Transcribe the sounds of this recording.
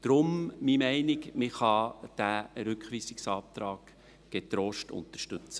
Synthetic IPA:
d̥̪ɾʊmmimɛɪnɪkmɪχɑd̥æɾʏkχʋiːsɪksɑːp̚t̪ɾɑːɡ̥ | ɡ̥et̪ɾoːʃtʊ̰nt̪əʃtɵt͡sə

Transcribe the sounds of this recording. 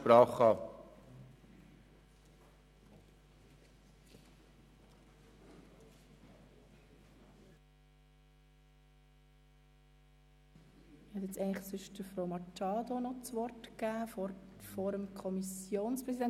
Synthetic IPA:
pɾɑːχɑː | hɛtjɛt͡sɛɪnləχsʏʃdəɾfɾoʊmɑt͡ʃɑːd̪onɔt͡sʋɔrtkæːfɔɾəmkʰɔmisjoːnspɾɛsidɛn

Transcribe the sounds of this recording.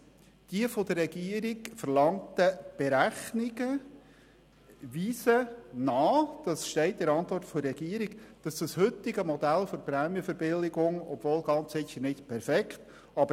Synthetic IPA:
d̥iəfod̥̪ərːɛɡiəɾiɡfəɾlɑŋtəb̥eɾæχnɪɡə | ʋiːsənɑːd̥ɑsʃtɛɪt̚dɛɾɑnt̪vɔrtfoɛɡ̥iəɾiɡ̥d̥ɑsd̥ɑshʏt̪ːɪɡəmɔd̪ælfoɾpɾɛːmjəfəɾbɪlɪɡʊŋɔ̰b̥voːlɡɑnt͡sɪçəɾnɪtpʰɛɾfɛkχt | ɑbə

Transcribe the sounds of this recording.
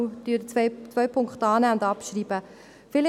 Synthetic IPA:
d̥yːɾt͡svœʏpʰʊŋkχtɑːnæːʊndɑpʃriːbə | fɪl

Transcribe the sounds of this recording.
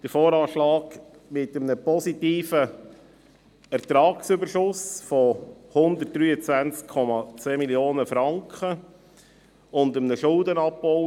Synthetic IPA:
d̥əɾfoːɾɑːʃlɑːɡ | mɪt̪əmnəpɔsit̪iːfə | ɛɾtɾɑːksʏbəɾʃʊsfɔhʊnd̪ət̚d̥ɾyːət͡sʋænt͡skʰːɔmɑt͡seːmiljoːnəfɾɑŋkχə | ʊndəmnəʃʊldənɑpːɔʊ

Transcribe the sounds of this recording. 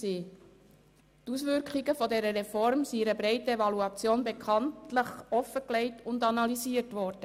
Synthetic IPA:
siː | tusʋʏɾkχiɡəfɔdɛɾəɾefɔɾmsiɪɾəbɾɛɪtəevɑluɑt͡sjoːnbekʰɑntləχɔfəkleɪtʊndɑnɑliziːəɾtʋɔɾd̥ə

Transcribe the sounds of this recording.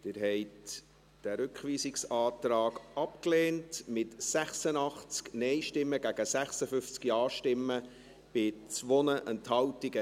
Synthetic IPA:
t̪ɪɾɦɛɪt | d̥æɾʏkχʋiːsɪksɑːt̪ɾɑːɡɑpkleːntmɪtsæχsənɑχt͡sknɛjʃtɪmːəɡæɡ̥əsæχsəfʏft͡skjɑːʃtɪmːə | b̥ɪt͡sʋɔnəʔənthɑwtɪɡə

